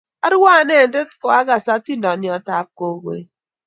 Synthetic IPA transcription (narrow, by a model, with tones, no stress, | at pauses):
a˦ɾwa˦˨ne˦˨˦de˦tkɔ˨a˦ɡa˨sa˦ti˦nɔ˨njɔ˨ta˨p̚ko˨wḛ˨˦